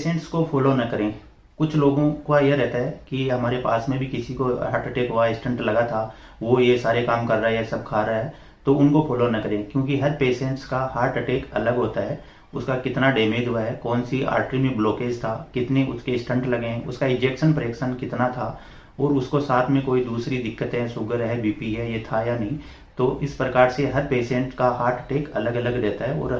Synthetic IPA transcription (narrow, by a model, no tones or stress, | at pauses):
peːsẽːɳʈskofʰɔːloːnɐkɐɾẽː | kʊt͡ʃʰloːɡõkajeɾɛɦt̪aɦɛkiɦɐmaːɾepaːsmẽbʱikɪsikoɦaːɾʈɐʈeːkɦʊaɪsʈə̃ɳʈlɐɡat̪ʰaː | ʋojesaːɾekaːmkɐɾːaɦɛɦɛsɐb̚kʰaːɾaɦɛː | t̪oʊnkofʰɔːloːnɐkɐɾẽːkjõːk̬iɦɐɾpeːsẽːɳʈskahaːɾʈɐʈeːkɐləɡɦoːt̪aɦɛː | ʊskakɪt̪naɖeːmeːd͡ʒ̪ɦuaɦɛkɔːnsia̰ːɾʈɾimẽbloːkeːd͡ʒt̪ʰaːkɪt̪neʊskeɪsʈʰə̃ɳʈlɐɡẽɦɛ̃ʊ̰skaɪ̃nd͡ʒeːkʃənpɾjəkʃənkɪt̪nat̪ʰa | ɔːɾʊskosaːt̪ʰmẽkoːid̪uːsɾid̪ɪkːət̪ɦɛ̃sʊɡəɾɦɛbiːpiɦɛjet̪ʰajanɐɦĩ | t̪oːʔɪspɾɐkaːɾseɦɐɾpeːʃẽːɳʈkahaːɾʈʈeːkɐləɡɐləɡɾɛɦt̪aɦɛɔ̰ːɾ